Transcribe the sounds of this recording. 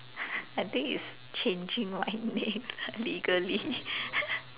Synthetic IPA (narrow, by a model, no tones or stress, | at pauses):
aɪt̪ĩŋḭs | t͡ʃẽnd͡ʒĩŋwãɪnɛ̃ŋliɡəli